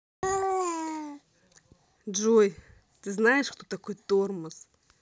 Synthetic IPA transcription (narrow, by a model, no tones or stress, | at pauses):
d͡ʒoj | t̪ɨznajɪʂkt̪ot̪akojt̪ormɨs